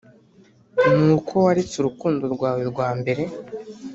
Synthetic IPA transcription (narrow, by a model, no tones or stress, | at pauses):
nuːkʰo̞waɾet͡suɾukuːndoɾɡwaːweɾɡwaːmbe̞ɾe̞